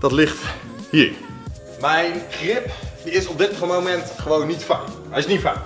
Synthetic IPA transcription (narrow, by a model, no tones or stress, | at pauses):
d̥ɑtlɪχt | hiːɹ | mɛjnχrɪpdiɪsɔb̚dɪtmowmɛntχəʋownːitfa | ɛjɪsnitfa